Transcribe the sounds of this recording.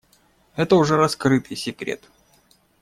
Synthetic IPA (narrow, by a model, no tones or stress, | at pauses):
ɛt̪əʊʐɛɾɐskɾɨt̪ɨjsʲɪkɾʲḛt̪